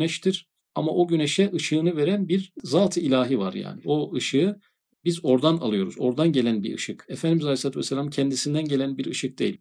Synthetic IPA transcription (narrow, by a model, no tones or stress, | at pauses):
nɛʃt̪ʰiɾ̥ | amaʔo̞ɟyneʃɛʔɯʃɯːnɯve̞ɾænbiɾzaːt̪ʰɯilʲaːɦivaɾja̰ːnḭo̞ɯʃɯ | bizo̞ɾd̪ana̰lˠɯjo̞ɾuzo̞ɾd̪anɟe̞lʲænbiɾɯ̰ʃɯkefænd̪imizalʲeslˠaːt̪ʰuvɛsːelʲamcʰɛnd̪isind̪ænɟe̞lʲænbiɾɯʃɯk̚d̪ejḭlʲ